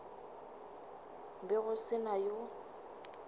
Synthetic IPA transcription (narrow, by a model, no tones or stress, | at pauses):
bɪɣʊsɪnajo